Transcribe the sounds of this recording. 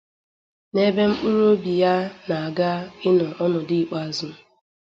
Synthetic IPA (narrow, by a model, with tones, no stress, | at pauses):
ne˦be˦ŋ͡m̩˦k͡pu˦ɾo˦bi˨ja˦na˨a˨ɡa˦ɪ˦nɔ˨ʔɔ˦nɔ˨dɪ˦˨k͡pa˦˨zʊ˦